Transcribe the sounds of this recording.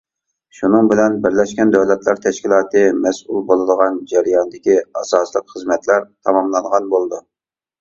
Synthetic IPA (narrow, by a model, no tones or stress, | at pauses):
ʃunɨŋbɪlɛnbɪɾlɛʃkʲɛnd̪ɛwlɛt̪lˠɑɾt̪ʰɛʃkʲilˠɑːt̪ɨmɛsʔulˠbolˠɨd̪əʁɑnd͡ʒɛɾjɑnɨd̪ɪkʲiɑsɑːslˠəqχəzmɛt̪læɾt̪ʰɑmɑmlˠɑɴʁɑnbolˠɨd̪u